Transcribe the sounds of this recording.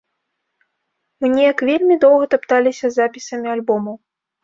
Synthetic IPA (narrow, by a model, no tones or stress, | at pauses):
mɨnʲɛjɐkvʲelʲmʲid̪ɔwɣɐt̪apt̪alʲisʲɐzapʲisɐmʲialʲbɔmɐw